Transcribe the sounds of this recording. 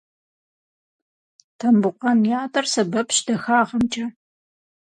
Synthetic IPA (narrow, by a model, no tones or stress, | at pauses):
tʰɐmbʊqɐnjaːtʰʼɐrsɐbɐpʃdɐxaːʁɐmt͡ʃʼɐ